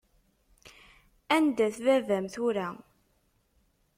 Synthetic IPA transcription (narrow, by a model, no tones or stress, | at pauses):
ænd̪æθvævæmθʊɾæ